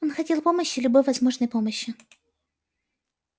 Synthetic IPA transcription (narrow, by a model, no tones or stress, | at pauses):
onxɐtʲilˠpo̞məɕːɪlʲʊbo̞jvɐzmo̞ʐnəjpo̞məɕːɪ